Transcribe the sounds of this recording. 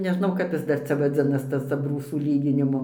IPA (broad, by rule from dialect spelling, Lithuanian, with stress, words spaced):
nʲɛˈʒnɐʊ ˈkɐp jɪs ˈdɐr ˈt͡sʲɛ ʋɐˈd͡zʲɪnɐs ˈtɐs ɐbˈruːsuː ˈlʲiːɡʲɪnʲɪmʊ